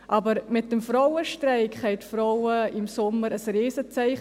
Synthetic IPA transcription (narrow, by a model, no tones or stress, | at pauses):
ʔɑːbəɾmɪt̚d̥əmfɾɔwəʃtrɛɪkχɛɪtfɾɔwəɪmsʊmːəɾəsɾiːsət͡sɛɪχ